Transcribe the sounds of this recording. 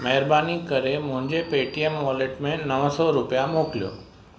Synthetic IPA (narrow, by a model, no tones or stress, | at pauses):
mɐɦəɾbaːnikəɾemʊ̃ɦɪ̃ɲd͡ʑepeːʈiemʋɔːleʈmẽnəʋsɔɾʊpijamoːklijo̰ː